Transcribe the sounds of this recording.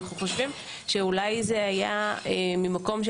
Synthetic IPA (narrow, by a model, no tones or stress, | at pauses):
χuχo̞ʃvim | ʃeulajzeaja̰emimako̞mʃ